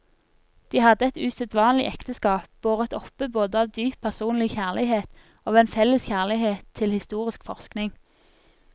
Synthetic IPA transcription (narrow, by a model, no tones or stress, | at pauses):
d̪̥iːhɑd̪əɛt̪ʉːsɛt̪ʋɑːnlɪ̰ʔɛkt̪əskɑːp̚b̥oːʁəɛt̪ɔpəboːd̪əɑʋd̪yːpʰːæʁsuːnlɪçæːʁlɪheːt̪ | oːʋeːnfɛlːəsçæʁlɪheːt̪ʰːɪlhɪst̪uːʁɪskfɔʁsknɪŋ